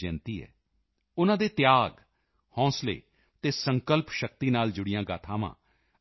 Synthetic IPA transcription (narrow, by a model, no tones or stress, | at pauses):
d͡ʒɛ̃ːnt̪iːɛ̰ː | ʊnãːd̪eːt̪ɪjaːɡ | hɔ̃ːslḛː | t̪eːsəŋkəlpʃək̚t̪iːnaːld͡ʒʊɽɪjãːɡaːt̪ʰãːʋã̰ː